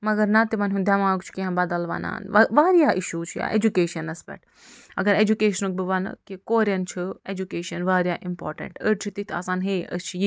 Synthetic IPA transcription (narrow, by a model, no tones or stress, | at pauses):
mɐɡɐɾnɐt̪imɐnʲɦũnd̪ʱjamãːɡt͡ʃʰi̥kiɦãbɐd̪əlʋɐ̰na̰ːnʋɐʋaːɾijaʔiʃut͡ʃʰija̰ːʔḛd͡ʒukeːʃɐnɐspɛ̰ʈʰ | ɐɡɐɾed͡ʒukeːʃɐnuk̚bɨʋɐn̰kikoːɾjɐnt͡ʃʰied͡ʒukeːʃɐnʋaːɾjaːʔimpoːɾʈɐ̰ɳʈəʈ̚t͡ʃʰit̪it̪ʰa̰ːsaːnɦeə̰st͡ʃʰiji